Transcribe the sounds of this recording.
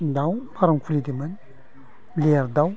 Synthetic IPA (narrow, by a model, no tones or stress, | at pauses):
ndawpʰaɾɐmkʰulid̪imɐn | leaɾd̪aw